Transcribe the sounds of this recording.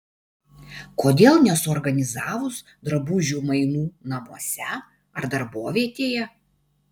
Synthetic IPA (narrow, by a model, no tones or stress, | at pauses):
koːd̪ʲeːlˠnʲɛsʊɔɾɡɐnʲɪzɑːʋʊs | d̪ɾɐbʊʒʲuːmɐɪnuːnɐmuɔsʲɛ | ɐɾd̪ɐɾboːʋʲiɛt̪ʲeːjɛ